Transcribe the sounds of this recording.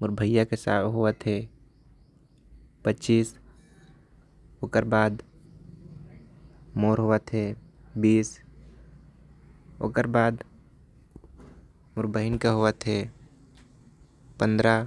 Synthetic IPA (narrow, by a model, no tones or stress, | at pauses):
mʊɾbʱəjakesa̰ːɦoʋət̪ɦɛː | pətːt͡ʃiːs | oːkəɾbaːd̪ | moːɾɦoːʋət̪ɦɛːbiːs | o̰ːkəɾbaːd̪ | mʊɾbəɦɪnkaɦoʋət̪ɦɛː | pə̃nd̪ɾa